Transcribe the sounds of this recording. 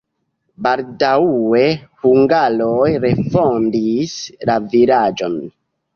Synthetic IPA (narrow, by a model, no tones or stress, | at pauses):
baldaue̞huŋɡalojɾe̞fondislaviɾad͡ʒon